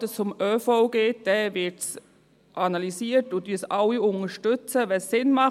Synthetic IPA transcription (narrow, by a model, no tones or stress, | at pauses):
təst͡sʊmœːfɔʊɡ̥eːt̚d̥ɛːvɪɹts | ʔanɑlisiːətutysalːiʊnəʃtʏt͡səvɛsːɪnmɑχ